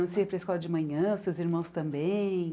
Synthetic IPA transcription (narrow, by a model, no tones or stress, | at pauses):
ɐ̃sepɾɐiskɔlɐd͡ʒɪmɐ̃ɲɐ̃ʊsewziɾmɐ̃w̃st̪ɐ̃mbẽ